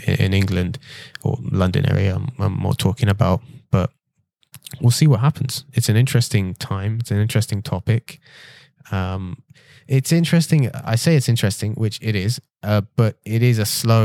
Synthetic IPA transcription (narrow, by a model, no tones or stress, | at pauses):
ɪ̰ɪ̰̃nɪ̃ŋɡlɨ̃ndə̰lʌ̃ndɨ̰̃nʔɛ̰ɹḭɨ̃ãɪ̃mːɔ̰ːɹtʰɔˑkɪ̃ŋəbaʊt̚b̥ʌt̚ | wɪlˠsiwɒt̚ɦapə̃n̩z̥ɨtsɨ̃nɪ̃nt͡ʃɹ̥ɛstɪ̃ŋtʰãɪ̃mɪtsnɪ̃nt͡ʃɹ̥ɛstɪ̃ŋtʰɒpɪk | ʌ̃m | ʔɪtsɪ̃nt͡ʃɹ̥ɛstɪ̃ŋa̰ɪseɪɨtsɪ̃nt͡ʃɹ̥ɛstɪ̃ŋwɪt͡ʃɪɾɪz̥ | ʔʌb̥ʌɾɪɾɪzəsloʊ